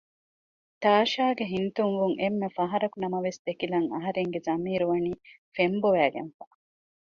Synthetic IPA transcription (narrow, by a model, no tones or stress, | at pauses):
t̪aːʃaːɡeɦint̪uŋʋuŋʔemːefɐɦɐɾɐkunɐmɐʋesd̪̥ekilɐŋɐ̰ɦɐɾeŋɡezɐmiːɾuʋɐniː | femboʋæːɡḛnfa